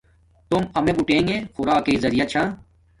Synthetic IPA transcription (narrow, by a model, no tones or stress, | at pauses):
t̪ʊmɐmeɡuʈẽːŋɡexʊɾaːkeːzɐɾijat͡ɕʰaː